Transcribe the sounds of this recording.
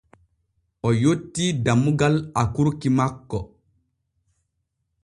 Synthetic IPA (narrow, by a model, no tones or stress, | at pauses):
ʔɔjotːidamuɡalakuɾkimakːɔ